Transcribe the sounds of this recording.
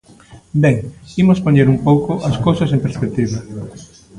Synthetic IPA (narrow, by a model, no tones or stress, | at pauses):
bɛŋimospoɲeɾumpowkʊʔɐskowsɐsẽmpeɾspek̚t̪iβɐ